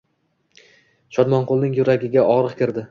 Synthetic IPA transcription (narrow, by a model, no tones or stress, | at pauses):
ʃɒd̪mɒnqʰʊlˠnɪŋjʊɾaɡʲɪɡʲaʔɒʁɾɨqkʲɪɾd̪ɪ